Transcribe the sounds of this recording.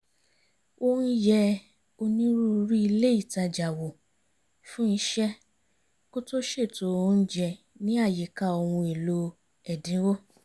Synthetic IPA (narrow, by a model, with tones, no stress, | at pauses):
o˧˦jɛ˧ | o˧nĩ˦ɾu˦˧ɾi˦i˧le˦i˦˨ta˧d͡ʒa˨wo˨ | fũ˦i˦ʃɛ˦ | ko˦to˦ʃe˦˨to˨˦o˧n̩˦d͡ʒɛ˧˨ | nĩ˦a˦˨je˨ka˧o˧wũ˧e˨lo˧ | ɛ˨dĩ˨˦wo˦